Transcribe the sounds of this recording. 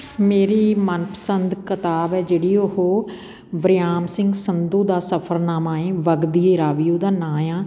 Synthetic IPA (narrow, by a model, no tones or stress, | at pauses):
meːɾiːmənpə̥sənd̪kət̪aːbɛːd͡ʒeːɽiːʊɦoː | ʋəɾɪjaːmsɪ̃ŋɡsənd̪ũːd̪aːsəpʰəɾnaːmaːẽːʋəɡd̪ieːɾaːʋijoːd̪aːnãːjãː